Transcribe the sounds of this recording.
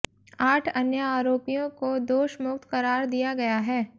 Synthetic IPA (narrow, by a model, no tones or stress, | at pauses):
aːʈʰɐnjəaːɾoːpijõkod̪oːʃmʊk̚t̪kɐɾaːɾd̪ijaɡɐjaɦɛː